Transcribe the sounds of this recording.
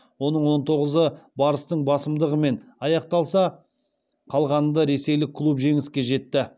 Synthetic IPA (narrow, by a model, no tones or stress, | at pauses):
wo̞nəɴwo̞nt̪ʰo̞ʁəzəbɑɾəst̪əɴbɑsəmd̪əʁəme̞nɑjɑqt̪ɑlˠsɑ | qʰɑlˠʁɑnəd̪ɑɾe̞se̞jlɪkʲʰːlˠupʒe̞ŋɪskʲe̞ʒe̞t̪ːɪ